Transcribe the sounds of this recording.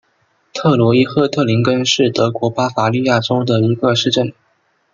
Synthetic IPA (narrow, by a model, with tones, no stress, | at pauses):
t̪ʰɤ˥˩lwɔ˧˥i˥xɤ˥˧t̪ʰɤ˥˩li˧˥ŋkə˥nʂɻ̩˥˩t̪ɤ˧˥kwɔ˧˥pa˥fa˧˥li˥˧ja˥˩ʈ͡ʂo˥ʊd̪ə˨i˧˥ɡə˧ʂɻ̩˥˧ʈ͡ʂə˥˩n